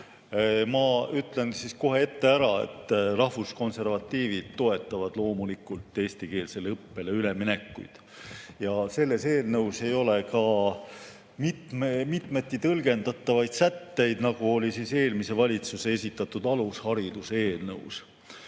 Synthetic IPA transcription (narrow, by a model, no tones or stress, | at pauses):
mɑyt̪le̞nsisko̞ɦe̞e̞t̪ːe̞æɾɑe̞̰t̪ːˑrɑhvusko̞nse̞rvɑt̪ːˑiːvid̪t̪ːo̞e̞t̪ːˑɑvɑd̪̥lo̞ːmulikˑult̪ːˑe̞ːsʲt̪ike̞ːlse̞lɤpːe̞leyle̞mine̞kːˑṵjd̪̥ | jɑse̞lːe̞se̞ːlnɤwse̞jo̞le̞kɑ | mit̪memit̪ˑme̞t̪ːˑit̪ɤlɡ̥e̞nd̪̥ɑt̪ːˑɑvɑjd̪sæt̪ːe̞jd̪̥nɑɡ̥uo̞lʲisise̞ːlmise̞vɑlʲit̪suse̞e̞sʲit̪ːˑɑt̪ːˑud̪̥ɑlushɑɾid̪̥useːlnɤws